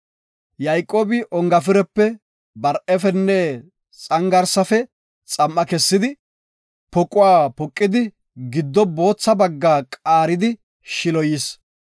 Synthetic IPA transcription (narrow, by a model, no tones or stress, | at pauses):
jɐjkʼoːbɪʔɔŋɡɐfɪɾɛpːɛ | bɐɾʔɛfɛnːɛ | t͡sʼɐŋɡɐɾsɐfɛ | t͡sʼɐmʔːɐkɛsːɪd̪ɪ | pɔkʼʊwaːpɔkʼːɪd̪ɪ | ɡɪd̪ːɔbo̞ːt͡sːɐbɐɡːaːkʼaːɾɪd̪ɪ | ʃɪlɔjɪs